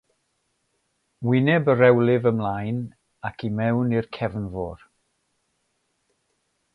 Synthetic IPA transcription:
wɪnɛbəɾɛwlˠɪvəmlˠajn | akʰimɛwnirkʰɛvnvʊr

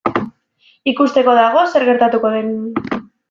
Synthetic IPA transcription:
ikust̪e̞ko̞ðaɣ̞o̞se̞ɾɣe̞ɾt̪at̪uko̞ðen

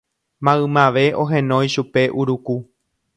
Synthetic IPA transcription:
mãɨmãʋe̞ʔo̞ɦẽ̞nõ̞jʃupe̞ʔuɾuku

